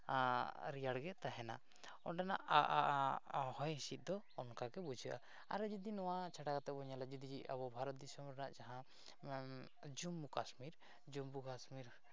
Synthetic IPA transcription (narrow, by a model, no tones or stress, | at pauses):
ɾijaɽɡɛt̪aɦɛna̰ | ɔɖɛnaʔ | hɔ̃jɦisit̪̚d̪ɔːnkakɛbud͡ʒʱəʔa̰ | a̰ɾɛd͡ʒid̪inɔwat͡ʃʰaʈakat̪ɛbɔɲalad͡ʒid̪id͡ʒia̰bɔbʱaɾɔt̪̚d̪isɔmɾɛnaʔd͡ʒaɦã | d͡ʒumbukasmiɾ | d͡ʒumbukasmiɾ